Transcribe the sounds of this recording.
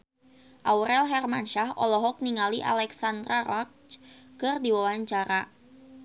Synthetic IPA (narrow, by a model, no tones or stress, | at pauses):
ʔawɾɛlɦɛrmanʃahɔ̰lɔɦɔk̚niŋaliʔa̰lɛksand̪ɾarɔ | kərdiwawaɲt͡ʃaɾa